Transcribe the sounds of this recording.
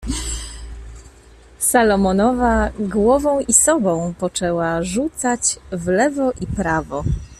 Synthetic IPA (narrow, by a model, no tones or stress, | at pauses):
salɔmɔnɔvaɡwɔvɔ̃w̃isɔbɔ̃w̃pɔt͡ʂɛwaʐut̪sat͡ɕvlɛvɔʔipɾavɔ